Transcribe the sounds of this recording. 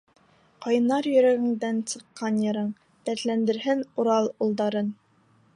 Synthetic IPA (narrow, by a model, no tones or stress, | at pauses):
qɑjɤnːɑɾjɵ̆ɾæɡɘ̆ŋd̪ænsɤ̆qːɑnjɤ̆ɾɤɴ | t̪æt̪lænd̪ɘ̆ɾɦɘnuɾɑlˠulˠd̪ɑɾɤn